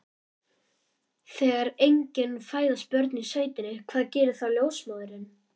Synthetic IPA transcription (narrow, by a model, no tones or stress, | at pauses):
θɛːɣaɾejɲcɪnfaːjðaspœɾt̪niseːjt̪ɪnːɪkʰv̥aːðcɛːɾɪ̥θawljoːwsmaːðʏɾɪn